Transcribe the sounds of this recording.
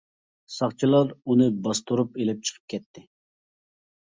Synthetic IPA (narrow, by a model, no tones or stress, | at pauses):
sɑχt͡ʃʰilˠɑɾunɨbɑst̪oɾupelɪp̚t͡ʃʰə̥qʰə̥p̚kʲʰɛt̪ʰːɪ